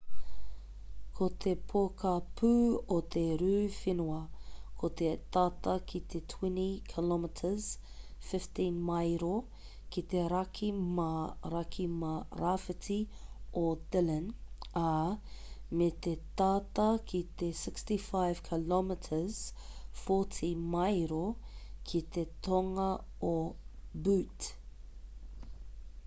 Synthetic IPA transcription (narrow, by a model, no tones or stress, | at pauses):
kʰot̪ʰepʰokɐpʰʉːot̪ʰeɾʉːfinuɐkʰot̪et̪at̪ɐkʰit̪ʰetʰwɛnikʰɪlɔmɪtʰəz̥ | fɪftĩnmajɾo | kit̪eɾɐkʰimɐɾɐkʰimɐɾafɪtiʔod̪ɪləna | met̪et̪aːt̪ɐkʰit̪esɪkstifaɪv̥kʰɪlɔmɪtʰəz̥foːtʰimɐjɾokʰit̪et̪ʰoŋɐ | o | bʉt